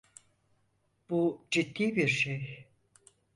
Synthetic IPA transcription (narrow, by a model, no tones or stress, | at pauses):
b̥ud͡ʒit̪ːiːbiɾʃej